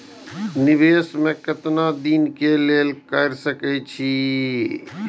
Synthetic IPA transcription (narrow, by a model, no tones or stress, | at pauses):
nɪbeːsmẽkət̪nad̪iːnkeleːlkəɾsəkɛt͡ʃʰi